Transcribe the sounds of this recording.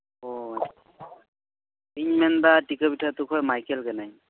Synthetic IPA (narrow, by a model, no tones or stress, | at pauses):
ɔ | piɲmɛnbatikɔbitʰatukʰɔjmajkɛlkɛnaj